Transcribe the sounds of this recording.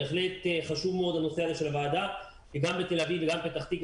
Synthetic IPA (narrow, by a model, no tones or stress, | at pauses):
eχle̞t̪χaʃuvmeo̞d̪hano̞se̞azeʃe̞lavaːda | veɡambet̪e̞lavivːeɡambet̪aχt̪ik